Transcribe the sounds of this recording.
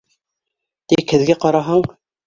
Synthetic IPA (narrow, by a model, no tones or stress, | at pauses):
t̪ikhɘ̆ðɡæqɑɾɑɦɑɴ